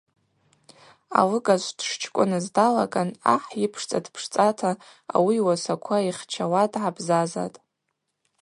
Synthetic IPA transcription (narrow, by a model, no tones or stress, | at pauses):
a̰lɨɡʼaʒʷd̥ʂt͡ʃʰkʷʼʊnɨzdala̰kʼana̰ħjɪpʰʂt͡sʼadpʰʂt͡sʼatʰa̰ː | wiwasakʷʰaiχt͡ʃʰawadʕabzaza̰tʼ